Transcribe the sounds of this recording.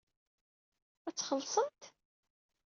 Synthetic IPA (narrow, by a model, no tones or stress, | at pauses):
æt͡sːχəlːsˤənt̪